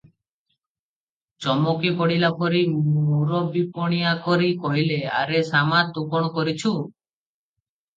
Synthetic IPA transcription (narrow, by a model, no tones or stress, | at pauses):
t͡ʃɔmɔkipɔɽilapʰɔɾimuɾɔbipɔɽ̃ijakɔɾikɔɦilea̰ɾesamat̪ukɔɽ̃ɔkɔɾit͡ʃʰu